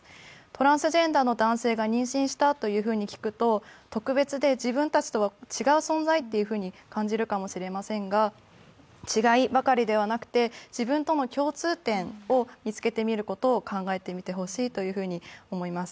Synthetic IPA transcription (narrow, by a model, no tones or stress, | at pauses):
t̪o̞ɾãɰ̃sɨʑẽ̞nd̪aːno̞d̪ãɰ̃se̞ːɡaɲ̟ĩɰ̃ɕĩɰ̃ɕi̥t̪at̪o̞jɯ̟ːɸɯ̟ːɲ̟ikʲi̥kɯ̟t̪o̞t̪o̞kɯ̟be̞t͡sɨd̪e̞d͡ʑibɯ̟̃nt̪at͡ɕi̥t̪o̞βat͡ɕiɡaɯ̟sõ̞nd͡zait̪ːe̞jɯ̟ɸɯ̟ːɲ̟ikãɲ̟d͡ʑiɾɯ̟kamo̞ɕiɾe̞masẽ̞ŋɡa | t͡ɕiɡaibakaɾʲid̪e̞β̞anakɯ̥t̪e̞d͡ʑibɯ̟̃nt̪o̞no̞kʲo̞ːt͡sɨːt̪ẽ̞ɴo̞mʲit͡sɨ̥ke̞t̪e̞mʲiɾɯ̟ko̞t̪o̞ːkʰãŋɡae̞t̪e̞mʲit̪e̞ɦo̞ɕiːt̪o̞jɯ̟ɸɯ̟ːɲ̟io̞mo̞imasɨ̥